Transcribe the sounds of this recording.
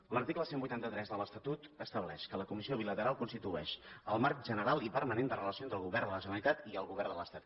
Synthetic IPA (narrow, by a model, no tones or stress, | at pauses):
ləɾt̪ikləsembujt̪ant̪ət̪ɾɛzðələst̪ət̪ut̪əst̪əβlɛ̰ʃkələkumisioβilət̪əɾalˠkunst̪it̪uɛ̰ʃəlˠmark̚ʒənəɾalˠipəɾmənend̪ərələsiont̪ɾəlˠɣuβɛrnd̪ələʒənəlit̪at̪iəlˠɣuβɛrnd̪ələ̰st̪at̪